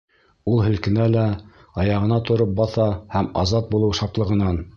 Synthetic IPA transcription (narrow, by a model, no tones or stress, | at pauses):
ulˠhɘ̆lkɘ̆nælæ | ɑjɑʁɤ̆nɑt̪ŏɾɤp̚bɑθɑhæmɑ̰zɑt̪̚bulˠɤwʃɑplˠɤ̆ʁɤ̆nɑn